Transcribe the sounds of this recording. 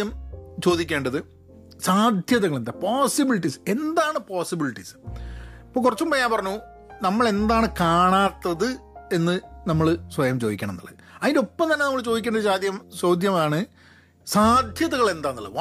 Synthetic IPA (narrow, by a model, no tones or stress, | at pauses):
jɐmt͡ɕo̞ːd̪ikʲːe̞ːɳɖɐðɨ | saːd̪ʱjɐðɐɣɐɭend̪ɐpoːsibiliʈːise̞nd̪aːɳɨpoːsibiliʈːis | ipːoːkurɐt͡ɕːumbɐjaːmpɐrɐɲːu | nɐmːɐɭe̞nd̪aːɳɨkaːɳaːt̪ːɐðɨe̞nːɨnɐmːɐɭsʋɐjɐmt͡ɕo̞ːðikʲːɳɐmnɐ̰lːɐ̰ðɨɐðindopːɐmt̪ɐnːe̞nɐmːɐɭt͡ɕo̞ːðikʲːeːɳɖɐðɨɕaːd̪ʱjɐmsoːd̪ʱjɐmaːɳɨ | saːd̪ʱjɐðɐɣɐɭe̞nd̪aːnːɐlːɐʋ